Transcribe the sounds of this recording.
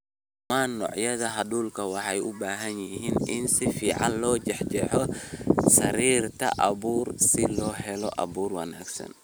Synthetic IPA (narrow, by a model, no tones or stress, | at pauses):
manːɔ̰ʕjɐðɐɦɐduːlkɐwɑħajʊbaːɦɐnjihiːnɪnsifiːʕa̰nlɔːd͡ʒɛħd͡ʒɛħɔsɐɾiːɾt̪ɐ̰ʔɐbuːɾsilɔːɦɛlɔʔɐ̰buːɾwɐna̰ːksɐ̰n